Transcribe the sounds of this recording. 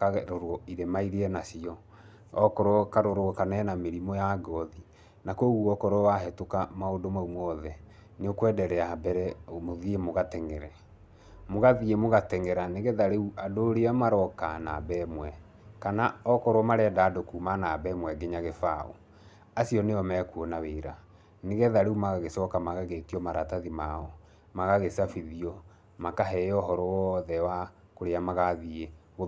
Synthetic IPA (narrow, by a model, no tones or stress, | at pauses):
kaɾoɾɔiɾemaiɾeɛnasiɔ | ɔkɔɾwɔkaɾoɾokanɛnameɾimɔjaɡɔði | nakoɣuɔkɔɾɔwaɦɛtokamaodomaumɔðɛ | neokwɛdɛɾɛabɛɾɛomoðiemoɣatɛŋɛɾɛ | moɣaðiemoɣatɛŋɛɾaneɣeðaɾeuʔadoːɾeamaɾɔkana̰bɛmwɛ | kanaɔkɔɾwɔmaɾɛːdaːdokumanabɛmwɛɡeɲaɣefaɔ̰ | asiɔneɔmɛkuɔnaweːɾa | neɣɛðaɾeumaɣaɣesɔkamaɣaɣetiɔmaɾataðimaɔ | maɣaɣesafiðiɔ | makaɦɛjɔɦɔɾɔwɔðɛwa | koɾeamaɣaðie | o